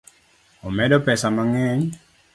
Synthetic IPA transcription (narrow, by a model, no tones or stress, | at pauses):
ɔmɛdɔpɛsamaŋɛɲ